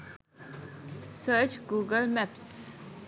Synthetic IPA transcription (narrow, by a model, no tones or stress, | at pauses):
səːt͡ʃɡuːɡəlmɛps